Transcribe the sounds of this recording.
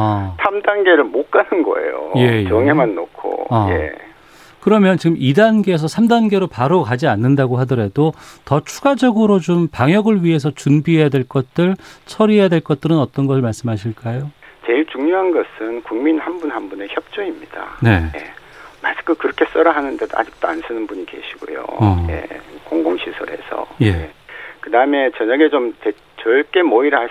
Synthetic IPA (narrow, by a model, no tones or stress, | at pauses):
sʰamdanɡe̞ɾɯɭmok͈anɯnɡʌ̰e̞̰jo̰je̞jʌŋe̞manːokʰo̰je | kɯɾʌmjʌnt͡ɕiɡɯmʔidanɡeːs̬ʰʌsʰamdanɡe̞ɾopaɾokad͡ʑianːɯndaɡoɦadʌɾe̞dotʌt͡ɕʰuɡad͡ʑʌɡɯɾot͡ɕompaŋjʌɡɯɭɥiɦe̞s̬ʰʌt͡ɕunbiɦe̞jadweɭk͈ʌt̚t͈ɯɭsʰʌɾiɦejadwe̞ɭk͈ʌt̚t͈ɯɾɯnʌt͈ʌnɡʌsʰɯɭmaɭs͈ɯmɦaɕʰiɭk͈ajot͡ɕe̞iɭt͡ɕuŋɲjoɦanɡʌsʰɯnkuŋminhanbunɦanbune̞çjʌp̚t͡ɕ͈ʌimɲid̥a̰ne̞jḛmaskɯkɯɾʌkʰe̞s͈ʌɾaɦanɯnde̞doʔa̰d͡ʑik̚t͈oansʰɯnɯnbuɲike̞̰ɕʰiɡ̥o̰jo̰ʌjḛkoŋɡoŋɕʰisʰʌɾɦe̞̰sʰʌ̰je̞jekɯdaɯme̞t͡ɕʌɲaɡe̞t͡ɕomte | t͡ɕʌɭk͈e̞moiɾa